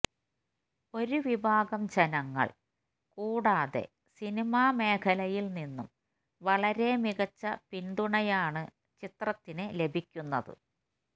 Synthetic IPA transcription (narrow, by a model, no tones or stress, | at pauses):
o̞ɾuʋibʱaːɡɐmd͡ʑenɐŋːɐ̰ɭ | kuːɽaːðe̞̰ | sinimaːme̞ːkʰɐlɐjilninːṵm | ʋɐɭɐɾe̞miɣɐt͡ɕːɐpinɖ̪uɳɐjaːɳɨ | t͡ɕit̪rɐt̪ːinɨle̞bʱikʲːunːɐðɨ̰